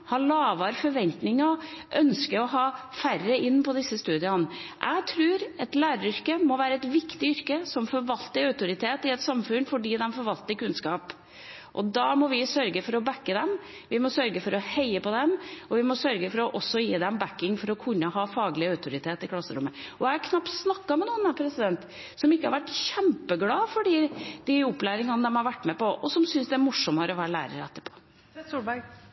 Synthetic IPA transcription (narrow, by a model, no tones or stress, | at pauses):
hɑɭɑːʋɑɾfɔɾʋɛnt̪nɪŋɑʔœnskəɾɔɦɑː | færːəɪnːpʰɔd̪ɪsːəst̪ʉːd̪ɪənʔæ̰ɡt̪ʰɾʉːɾɛt̪læːɾəɾʏɾkəmɔʋæːɾəɛt̪ʋɪkt̪ɪʏɾkəsɔmfɔɾʋɑlt̪əœʉt̪ʊɾɪt̪ʰeːt̪ɪɛt̪sɑmfʉnːfɔɖiːd̪ɛmfɔɾʋɑlt̪əɾkʉnskɑːp | ʔɔd̪ɑmɔʋɪsœɾɡəfɔɾɔbækːəd̪ɛm | ʋɪmɔsœɾɡəfɔɾɔheɪəpɔd̪ɛmɔʋɪmɔsœɾɡəfɔɾɔʔɔsːɔjiːd̪ɛmbækːɪŋfɔɾɔkʰʉnːəhɑːfɑːɡəlɪœʉt̪ʰʊɾɪt̪ʰeːt̪ɪkʰlɑsːəɾʊmːəɔjɛɑkʰnɑpt̪snɑkːɑmɛnuːənæpʰɾɛsɪd̪ɛnt̪ | sɔmɪkːəhɑɾʋæʈːɕɛmpəɡlɑːfɔɖiːd̪̥ɪɔpːlæːɾɪŋɑnd̪ɛmhɑɾʋæʈːmɛpɔʔɔsɔmsʏnsd̪ɛæɾmʊʂɔməɾɔʋæːɾəlæ̰ːɾə̰ɾɛt̪ːəɾpʰo̥ː | ub